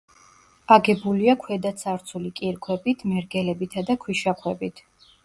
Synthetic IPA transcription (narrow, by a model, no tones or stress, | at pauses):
aɡɛbuliakʰwɛd̪at̪sʰaɾt̪sʰulikʼiɾkʰwɛbit̪ʰmɛɾɡɛlɛbit̪ʰad̪akʰwiʃaχʰwɛbit̪ʰ